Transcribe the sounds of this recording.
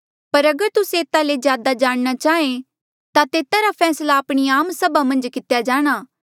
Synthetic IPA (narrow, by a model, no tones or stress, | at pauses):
pɐɾɐɡəɾt̪ʊseːt̪alezjaːd̪ad͡ʒaːɽ̃ñat͡ʃaːẽ | t̪at̪eːt̪aɾapʰɛːslaːpɽ̃iaːmsɐbamɐ̃nd͡ʒkɪt̪ejad͡ʒaːɽ̃aː